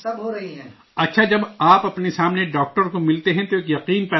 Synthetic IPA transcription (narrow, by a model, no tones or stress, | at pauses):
sɐbɦoɾɐɦiɦɛ | ɐtːʃʰad͡ʒɐbaːpɐpnesaːmneɖaːk̚ʈəɾkomɪlt̪eɦɛ̃t̪oeːkjɐqiːnpɛː